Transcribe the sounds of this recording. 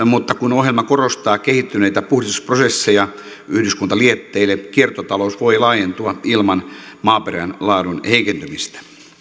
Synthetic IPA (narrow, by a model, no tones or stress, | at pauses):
mut̪ːɑkunoɦjelmɑkorost̪ɑːkehit̪ːyneit̪æpuhdisusprosesːejɑ | yhdyskunt̪ɑliet̪ːeilːekiert̪ot̪ɑlousʋoilɑːjent̪uɑilmɑnmɑːperænlɑːdunheikent̪ymist̪æ̥